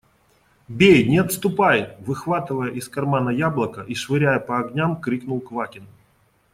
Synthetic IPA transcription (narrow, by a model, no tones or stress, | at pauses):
bʲejnʲɪɐt̪st̪ʊpajɪt̪vɨxvat̪ɨvəjəʔɪskɐrmanəjablˠəkəʔiʂvɨɾʲæjəpəɐɡnʲamkɾʲiknʊlˠkvakʲɪn